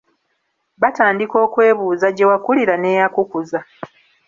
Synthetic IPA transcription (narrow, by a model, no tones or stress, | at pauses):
bataːndiko̞ːkwe̞ːβuːzaɟe̞wakuliɾane̞ːjakukuza